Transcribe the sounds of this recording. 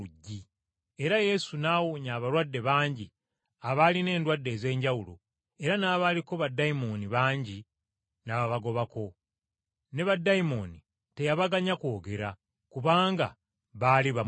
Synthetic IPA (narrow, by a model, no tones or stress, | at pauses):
uɟːi | e̞ɾaje̞sunaːwuɲaːβaɾwadːe̞βaːɲɟi | aβaline̞ːndwadːe̞ze̞ːɲɟawulo̰ | e̞ɾanaβaliko̞βadːaimo̞niβaːɲɟi | naβaβaɡo̞βako̞ | ne̞βadːaimo̞ni | te̞jaβaɡaɲakoːɡe̞ɾa | kuβaːŋɡa̰ | βaliβa